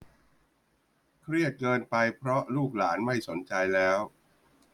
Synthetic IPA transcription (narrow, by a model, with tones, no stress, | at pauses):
kʰɾi˥˩ət̪̚kɤː˧npa˧jpʰɾɔ˦˥luː˥˩k̚laː˩˦nma˥˩jso˩˦nt͡ɕa˧jlɛː˦˥w